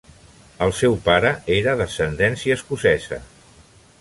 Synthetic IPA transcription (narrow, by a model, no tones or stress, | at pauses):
əlˠsɛwpaɾəeɾəðəsənd̪ɛnsiəːskusɛzə̰